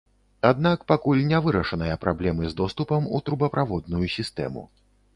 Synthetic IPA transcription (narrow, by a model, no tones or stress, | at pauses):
ad̪nakpakulʲnʲɛvɨɾɐʂɐnɐjɐpɾʔablʲɛmɨzd̪ɔst̪upɐmṵt̪ɾubɐpɾavɔd̪nujusʲist̪ɛ̰mṵ